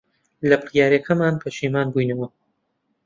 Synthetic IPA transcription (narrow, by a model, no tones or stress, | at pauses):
lɐbɨɾjaːɾekʰɐmaːnkʰɐʃiːmaːnbujnɐwɐ